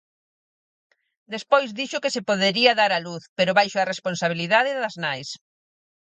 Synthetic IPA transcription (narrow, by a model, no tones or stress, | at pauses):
d̪espojzðiʃʊkesepoðeɾiɐðaɾaluθpeɾʊβajʃʊɐresponsaβ̞iliðaðɪðɐznajs